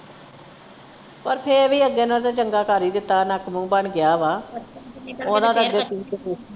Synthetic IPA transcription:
pəɾpʰeːɾʋiːəɡːeːnəːd̪aːt͡ʃəŋɡaːkaːɾiːd̪ɪt̪ːaːnakmũːbəɳɡɪjaːʋaː | oːd̪ãːd̪aəɡeːtiːkː

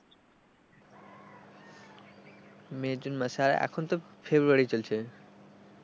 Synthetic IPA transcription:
med͡ʑunmaʃaɾaʔɛ̰kʰont̪ofʰebɾuaɾit͡ɕolt͡ɕʰe

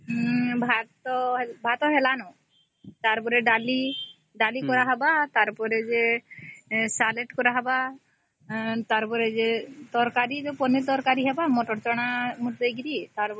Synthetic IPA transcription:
bʱat̪ɔbʱat̪ɔɦɛlanɔ | t̪aɾpɔɾɛɖali | ɖalikɔɾaɦabat̪aɾpɔɾɛd͡ʒɛ | salɛʈkɔɾaɦaba | t̪aɾpɔɾɛd͡ʒɛt̪ɔɾkaɾid͡ʒɔpɔnit̪ɔɾkaɾiɦɛbamɔʈɔɾt͡ʃɔɽ̃amut̪̚d̪ejɡiɾiet̪aɾ

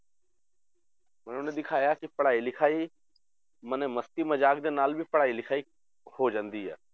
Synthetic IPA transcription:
mənʊnẽd̪ɪkʰaːjakipɐɽaːilɪkʰaːi | mənẽmɐst̪imɐd͡ʒaːkd̪eːnaːlbʱipɐɽ̤aːilɪkʰaːi | hod͡ʒãːnd̪iɦɛ̰ː

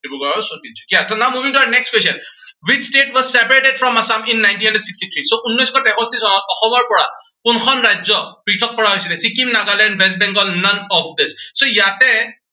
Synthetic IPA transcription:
ibuɡɔɔsɔtiɔkiatʰɔnawmuvĩŋtuanɛkskwesɔn | wit͡ʃsʈeʈwɔzsɛpaɹeʈeɖfɹɔmasaminːajnt̬inhãndɛɖsikstit̪ʰɹisoʔunːɔjskɔʈɛkɔstisɔnaɔxɔmɔɹpɔɹa | kunkʰɔnɹajzɔpɹiʈʰɔk̚pɔɹaɦojsilɛsikimnaɡalɛ̃nɖbɛs̬t̚bɛ̃ŋɡɔlnʌnɔfd̪ɪsːojatɛ

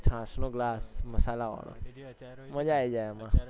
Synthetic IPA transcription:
t͡ʃʰãːsnõɡlaːsməsaːlaʋã̰ːno̰ | mə̃d͡ʒaːed͡ʒaːemã

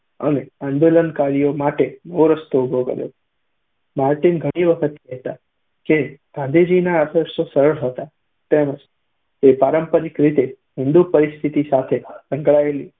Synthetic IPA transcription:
ə̰meãnd̪olənkaɭijomaʈenoɾəst̪oubʱokə̰ɾjo̰ | maɾʈinɡʱəɽ̃iʋəkʰət̪kɛɦt̪a | keɡ̥ʱãnd̪ʱid͡ʒinaːd̪ʱəɾʃosəɾəɭɦət̪a | t̪eməd͡ʒ | epaɾəmpəɾɪkɾit̪e | ɦɪ̃nd̪upəɾɪst̪ʰit̪isat̪ʰesə̃ŋɡɭaeli

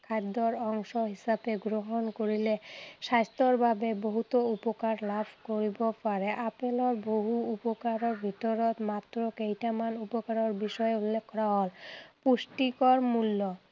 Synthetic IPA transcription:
kʰad̪ːoɾɔŋʃoɦiʃabeɡɾoɦonkoɾileʃast̪oɾbʱabeboɦut̪oupokaɾlabʱkoɾibofaɾeʔapeloɾboɦuupokaɾoɾbʱit̪oɾot̪mat̪ːɾokejʈamanupokaɾoɾbiʃɔeulːekʰːɔɾaɦolpuʃʈikɔɾmulːo

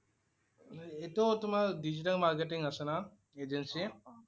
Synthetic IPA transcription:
et̪ot̪umaɖid͡ʒiʈɐlmaːɾkeʈiŋɡɐsɐna | eːd͡ʒensi

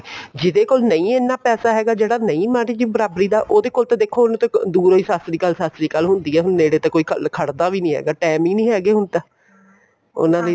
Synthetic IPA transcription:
d͡ʒɪd̪eːkoːlnəĩːeːnːãːpɛːsaːɦɛːɡaːd͡ʒeːɽaːnəĩːmãːʈiːd͡ʒiːbəɾaːbɾiːd̪aːʔoːd̪eːkoːlt̪ãːd̪eːkʰːoːñːt̪ẽd̪uːɾɦoːiːsast̪ɾiːkəlsaːst̪ɾiːkəlɦʊnd̪iːɛːɦʊnːẽːɽeːt̪ãːkoːiːkʰkʰəɽd̪aːʋiːnĩːɦɛ̰ːɡaːʈɛːmĩːnĩːɦɛːɡeːɦʊnd̪aː | ʊ̰nãːd̪e

